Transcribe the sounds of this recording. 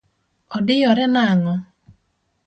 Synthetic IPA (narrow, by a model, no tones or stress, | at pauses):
ɔdɪjɔɾɛnaŋɔ